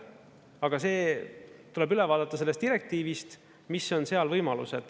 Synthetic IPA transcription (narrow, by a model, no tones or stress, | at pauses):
ɑɡ̥ɑse̞ːt̪ule̞bylɛvɑːd̪ɑt̪ːˑɑse̞lːest̪iɾek̚t̪iːvist̪ | misːo̞nse̞ɑlvɤjmɑlṵsed̪̥